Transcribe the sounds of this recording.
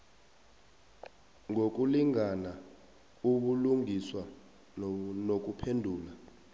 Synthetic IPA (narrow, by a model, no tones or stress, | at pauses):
ŋʱok̬ʼuliŋana | uɓuluŋiswa | nok̬ʼupʰendʱuːla